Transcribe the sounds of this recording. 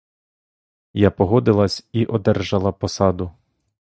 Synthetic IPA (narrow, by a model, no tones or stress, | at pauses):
japɔɦɔd̪ɪlˠɐsʲiʔɔd̪ɛrʒɐlˠɐpɔsɑd̪ʊ